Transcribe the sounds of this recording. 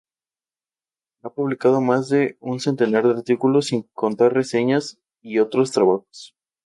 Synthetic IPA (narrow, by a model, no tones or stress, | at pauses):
apuβ̞likað̞o̞mazðe̞unse̞nt̪e̞naɾðeaɾt̪ikulo̞siŋko̞nt̪aɾre̞se̞ɲas | io̞t̪ɾo̞st̪ɾaβaxo̥s